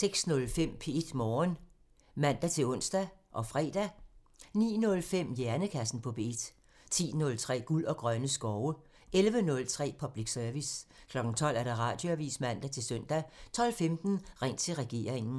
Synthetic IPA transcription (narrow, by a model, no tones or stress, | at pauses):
seɡ̥snɔ̽lfem̰pʰe̝d̥mɒːn | mæn̰d̥æt͡sʰe̝ɔ̽n̰sd̥æʔɒ̽fʁɛ̰ːd̥æ | nḭːnɔ̽lfem̰jæɐnəkʰæsn̩pʰɒ̽pʰe̝d̥ | t͡sʰḭːnɔ̽lt͡sʰʁɛ̰ːɡ̥ulɒ̽ɡ̥ʁɶnəsɡ̥ɒʊə | elʋənɔ̽lt͡sʰʁɛ̰ːpʰɒ̽b̥liɡ̥sœɐʋiskʰlɒ̽ɡ̥n̩t͡sʰɒ̽l̰æɐɾ̥ɑ̈ʁɑ̈d̥jo̝æʋḭːsmæn̰d̥æt͡sʰe̝lsœn̰d̥æt͡sʰɒ̽l̰femd̥n̩ʁeŋ̰t͡sʰe̝lʁɛɡ̥e̝̰ːɐ̰eŋn̩